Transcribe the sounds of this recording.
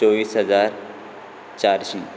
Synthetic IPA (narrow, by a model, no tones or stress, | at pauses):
ɔːʋiːsɦɐzaːɾ | t͡ʃaːɾʃĩ